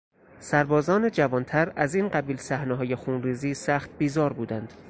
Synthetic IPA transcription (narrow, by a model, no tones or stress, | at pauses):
sæɾbɒːzɒːne̞d͡ʒævɒːnt̪ʰæɾæziːnɢæbiːlsæhneɦɒːjexuːnriːziːsæxt̪̚biːzɒːɾbuːd̪ænd̪̥